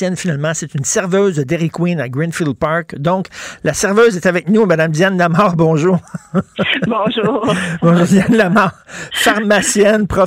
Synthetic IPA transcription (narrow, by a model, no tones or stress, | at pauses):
jɛnfinalmɑ̃sɛt̪ynsɛʁvøːzd̪əd̪ɛʁikwĩnaɡʁɛ̃nfilˠpɑɹkd̪ɔ̃klasɛʁvøːzɛt̪avɛk̚numad̪amd̪janlamɑːʁbɔ̃ʒuːʁ | bɔ̃ʒuːʁbɔ̃ʒuːʁd͡z̪janlamɑːʁfaʁmasjɛnpʁɔ